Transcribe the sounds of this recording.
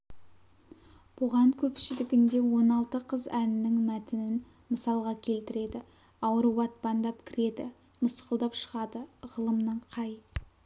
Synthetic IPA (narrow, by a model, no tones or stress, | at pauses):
b̥ʊʁɑŋkʲʰɵpʃɪlɪɡʲɪnd̪e̞wo̞nɑlˠt̪əqʰəzænɪnɪŋmæt̪ɪnɪn | məsɑlˠʁɑkʲʰe̞lt̪ɪɾe̞d̪ɪ | ɑwɾuwɑt̪̚bɑnd̪ɑpkʲʰɪɾe̞d̪ɪ̰ | məsqəlˠd̪ɑpʃə̥ʁɑd̪əʁəlˠəmnəɴqʰɑj